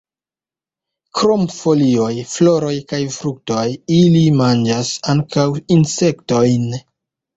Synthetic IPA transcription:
kɾo̞mfo̞lio̞jflo̞ɾo̞jkajfɾuk̚to̞jilimand͡ʒasaŋkawinse̞kto̞jn

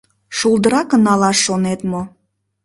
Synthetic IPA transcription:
ʃulˠd̪əɾɑkənɑlɑʃːonet̪mo

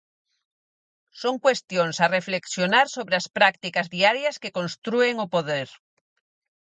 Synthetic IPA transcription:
soŋkwest̪joŋsarefleksjonaɾsoβɾeaspɾakt̪ikazðiaɾjaskekõnst̪ɾueŋopoðeɾ

